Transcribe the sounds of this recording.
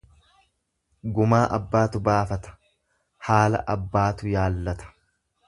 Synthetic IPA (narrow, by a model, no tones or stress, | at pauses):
ɡʊmaːʔɐbːaːt̪ʊbaːfɐt̪ɐ̥ | haːlɐ̰ʔɐbːaːt̪ʊjaːlːɐt̪ɐ̥